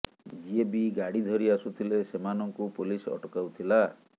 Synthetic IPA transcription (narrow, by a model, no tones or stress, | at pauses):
d͡ʒiebiɡaɽid̪ʱɔɾiasut̪ʰilesemanɔŋkupulisɔ̰ʈɔkawt̪ʰila